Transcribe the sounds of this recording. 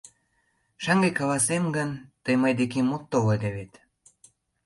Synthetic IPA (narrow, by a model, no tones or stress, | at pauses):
ʃɑŋɡekɑlɑsemɡənt̪əjməjd̪ekemot̪ːoled̪eβet̪